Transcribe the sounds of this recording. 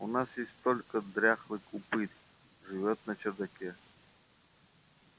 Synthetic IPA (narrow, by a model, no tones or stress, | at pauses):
unasjesʲtʲt̪olʲkəd̪ɾʲaxlˠɨkʊpɨt̪ʲ | ʐɨvʲot̪nət͡ʃərd̪ɐkʲɛ